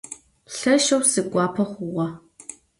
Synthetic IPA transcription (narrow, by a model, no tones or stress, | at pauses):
ɬɐʃɐwsɨɡʷʼɑːpʰɐχʷʊʁɐ